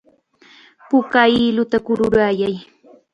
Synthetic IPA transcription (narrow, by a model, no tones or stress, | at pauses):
pʊkailʊt̪akʊɾʊɾajaj